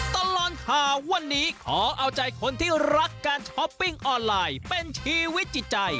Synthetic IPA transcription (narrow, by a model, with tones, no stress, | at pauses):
t̪a˧lɔː˨˩nkʰaː˨˩wa˧nːiː˦˥kʰɔː˩˦ʔa˧wt͡ɕa˧jkʰo˧nt̪ʰiː˥˩ɾa˦˥kːaː˧nt͡ɕʰɔ˦˥pːi˥˩ŋʔɔː˧nlaː˧jpe˧nt͡ɕʰiː˦˥wi˦˥t̪̚t͡ɕi˨˩t̪̚t͡ɕa˧j